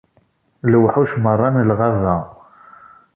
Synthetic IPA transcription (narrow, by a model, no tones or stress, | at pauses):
lwħuʃmərˤːɑnəlʁɑðˤɑ